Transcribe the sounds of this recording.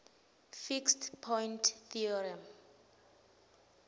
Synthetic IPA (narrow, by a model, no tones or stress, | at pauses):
fikstpʰɔjntʰθiɔɹiam